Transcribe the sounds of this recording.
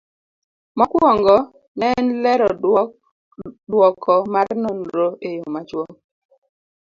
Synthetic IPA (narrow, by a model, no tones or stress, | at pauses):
mɔkwɔŋɡɔ | nɛnlɛɾɔ | dwɔkʰɔmarnonɾoʔejomat͡ʃwɔŋ